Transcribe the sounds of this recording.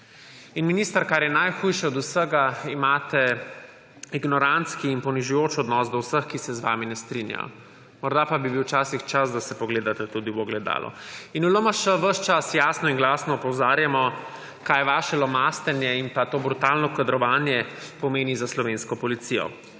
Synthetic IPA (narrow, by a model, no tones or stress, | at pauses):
inminist̪aɾkaːɾjɛnajxujʃɛɔd̪usəɡaimaːt̪ɛ | iɡnɔɾant̪skiːnpɔniʒujoːt͡ʃɔd̪nɔsd̪ɔwsəxkisɛzʋa̰ːminɛst̪ɾinja̰jɔ̰ | mɔɾd̪apabibiwt͡ʃaːsixt͡ʃazd̪asɛpɔɡleːd̪at̪ɛt̪ud̪iwɔɡlɛd̪a̰ːlʔɔ̰inulomaʃəʋəʃt͡ʃasjaːsnɔinɡlaːsnɔːpɔwzaːɾjamɔ | kajʋaːʃɛlɔmast̪ɛnjɛimpat̪oːbɾut̪aːlnɔkad̪ɾɔʋanjɛpɔmeːnizaslɔʋenskɔpɔlit̪sijɔ̰